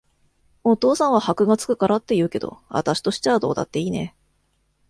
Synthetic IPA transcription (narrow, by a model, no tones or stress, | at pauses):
o̞t̪o̞ːsãɰ̃βahakɯ̟ɡat͡sɨ̥kɯ̟̥kaɾat̪ːe̞jɯ̟ːke̞d̪o̞̰βa̰t̪aɕi̥t̪o̞ɕi̥t͡ɕaβad̪o̞ːd̪a̰t̪ːe̞iːne̞̰